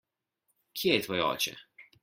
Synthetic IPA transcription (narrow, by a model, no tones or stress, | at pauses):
kʰiɛjɛt̪ʋɔːjɛɔ̰ːt͡ʃɛ̰